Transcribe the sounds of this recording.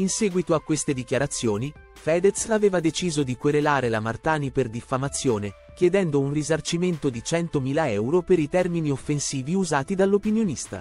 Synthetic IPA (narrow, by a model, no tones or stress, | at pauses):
insɛːɡwit̪oakːwest̪ed̪ikjaɾat̪sːjoːni | fɛːd̪et̪saveːvad̪et͡ʃiːzod̪ikweɾelaːɾelamart̪aːniperd̪ifːamat̪sːjoːne | kjed̪ɛnd̪ounrizart͡ʃiment̪od̪it͡ʃɛnt̪omiːlaɛwɾopeɾit̪ɛrminiofːensiːviuzaːt̪id̪alːopinjonist̪a̰